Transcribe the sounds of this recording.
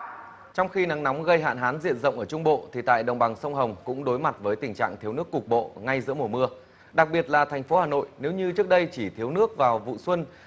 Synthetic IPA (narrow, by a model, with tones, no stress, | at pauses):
t͡ɕɔ˧wŋ͡mxi˧na˨˦ŋna˨˦wŋ͡mɣə˧jɦa̰ː˧˨nɦaː˨˦nzḭ˧˨ənzə̰˧˨wŋ͡mʔəː˧˩t͡ɕʊ˧ŋ͡mɓo̰˧˨t̪ʰi˨˩t̪a̰ː˧˨jɗə̰˧˨wŋ͡mɓa˨˩ŋsə˧wŋ͡mɦə˨˩wŋ͡mkʊ̰˧˥ŋ͡mɗo˨˦jma˨˩t̚vəː˨˦jt̪ï˨˩ŋt͡ɕa̰ː˧˨ŋt̪ʰi˨˦wnɨ˦˥əkːʊ˨˩k͡p̚ɓo̰˧˨ŋa˧jzɨ̰˧˥əmo˨˩mɨ˧ə | ɗa˨˩k̚ɓi˨˩ət̚laː˨˩t̪ʰɛ˨˩jŋ̟fo˨˦haː˨˩no̰˧˨jne˨˦wɲɨ˧t͡ɕɨ˦˥ək̚ɗə˧jt͡ɕi˧˩t̪ʰi˨˦əwnɨ˦˥ək̚vaː˨˩wvṵ˧˨swə˧n